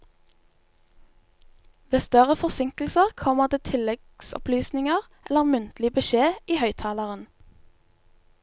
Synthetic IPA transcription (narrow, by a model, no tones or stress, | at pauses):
ʋeːst̪œʁəfɔsɪŋkl̩səʁkʰɔməʁd̪eːt̪ʰɪlɛɡsɔ̰plyːsnɪŋəʁ | ɛləʁmʉnt̪lɪbəʃeːʔiːhœʏt̪ʰɑːləʁən